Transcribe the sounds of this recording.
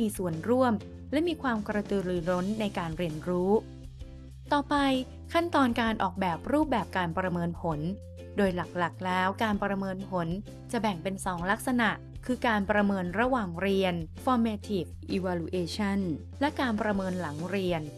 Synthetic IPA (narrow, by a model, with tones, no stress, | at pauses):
iː˧su˨˩ənɾu˥˩əm | lɛ˦˥miː˧kʰwaː˧mkɾa˧t̪ɯ˧ɾɯː˨˧ɾo˦˥nːa˧jkaː˧nɾi˧ənɾuː˦˥ | t̪ɔː˨˩pa˧j | kʰa˥˩nt̪ɔː˧nkaː˧nʔɔ̰ː˨˩k̚bɛː˨˩p̚ɾuː˥˩p̚bɛː˨˩p̚kaː˧npɾa˧mɤː˧npʰo˩˦n | doː˧jla˨˩k̚la˨˩k̚lɛː˦˥wkaː˧npɾa˧mɤː˧npʰo˩˦n | t͡ɕa˨˩bɛ˨˩ŋpe˧nsɔː˩˦ŋla˦˥k̚sa˧na˨˩ʔkʰɯː˧kaː˧npɾa˧mɤː˧nɾa˧waː˨˩ŋɾi˧ənfɔː˧mɛː˧t̪ʰi˨˩k̚ʔi˧waː˧lu˧ʔeː˧t͡ɕʰa˥˩n | lɛ˦˥kaː˧npɾa˧mɤː˧nla˩˦ŋɾi˧ən